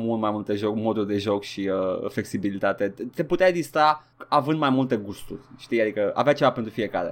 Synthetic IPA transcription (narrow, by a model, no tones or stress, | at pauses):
mult̪majmult̪e̞ʒo̞kmo̞d̪urʲd̪e̞ʒo̞kʃiəfle̞ksibilit̪at̪e̞t̪e̞put̪eaeɡzist̪a | avɨnd̪majmult̪e̞ɡust̪urʲʃt̪iad̪ikəa̰veat͡ʃe̞vapent̪ɾufije̞ka̰ɾḛ